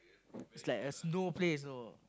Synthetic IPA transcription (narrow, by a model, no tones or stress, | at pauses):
ɪtslaɪkəsnoples̬no